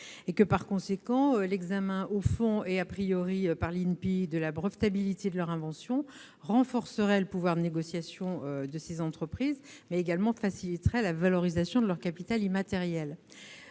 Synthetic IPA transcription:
ekəpaʁkɔ̃sekɑ̃ølɛɡzamɛ̃ʔofɔ̃eapχijɔʁiøpaʁlinpid̪əlabʁəft̪abilit̪ed̪əlœʁɛ̃vɑ̃sjɔ̃ | ʁɑ̃fɔʁsəʁɛləpuvwaʁd̪əneɡɔsjasjɔ̃ød̪əsezɑ̃t̪χəpχiːzmɛeɡalmɑ̃fasilit̪ʁɛlavalɔʁizasjɔ̃d̪əlœʁkapit̪alimat̪ɛʁjɛl

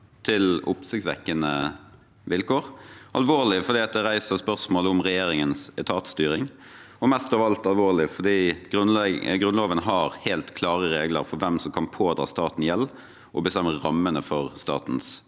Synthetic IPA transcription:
t̪ʰɪlʊ̰psɪksʋɛ̰kːənə | ʋɪlkoːʁʔɑ̰lʋoːʁlɪfɔd̪iːɑt̪̚d̪ɛʁæɪsəʁspœʁsmoːlʊmʁɛjeːɾɪŋənsɛt̪ʰɑːt̪st̪yːɾɪŋ | ɔmɛst̪ɑːʋəɑlt̪ɑlʋoːʁlɪfɔd̪iːɡɾʉnɛɡɾʉnloːʋənɦɑʁheːlt̪kʰlɑːʁəɾeːɡlə̰ɾfɔɾʋɛmsɔmkʰɑnpʰoːd̪ɾɑ̰ːst̪ɑːt̪n̩jɛlː | ʔɔbəst̪ɛmːəɾɑmːənəfɔʁst̪ɑ̰ːt̪n̩s

